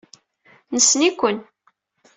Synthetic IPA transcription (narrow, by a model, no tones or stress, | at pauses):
nəsːnikʷːən